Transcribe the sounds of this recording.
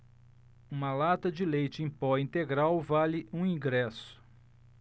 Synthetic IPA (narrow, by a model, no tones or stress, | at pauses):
ũmɐlat̪ɐd͡ʒɪlejt͡ʃɪẽj̃pɔĩnt̪eɡɾawvalɪũĩɡɾɛsʊ̥